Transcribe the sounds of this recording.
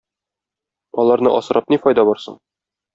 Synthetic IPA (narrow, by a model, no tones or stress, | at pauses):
ɒlˠɑɾnɤ̰ʔɒsɤ̆ɾɑp̚nifɒjd̪ɑbɒɾsɤ̰ɴ